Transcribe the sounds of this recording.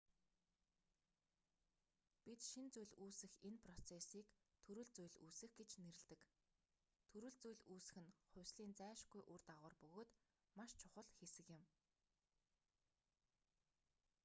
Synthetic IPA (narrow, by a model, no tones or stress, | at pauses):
pit̪ʃint͡sujɮuːsɘ̆xenpʰrɔt͡sʰesiːkt̪ʰɵɾɘ̆ɮt͡sujɮuːsɘ̆xɡet͡ɕneɾɘ̆ɮt̪ɘ̆k | t̪ʰɵɾɘ̆ɮt͡sujɮuːsɘ̆xɘ̆nχʊ̟wʲsɮiːnt͡sæːʃɡujʔurt̪aʁʊːrpɵɣoːt̪ | maʃt͡ɕʰʊχə̆ɮxesɘ̆kɪ̆m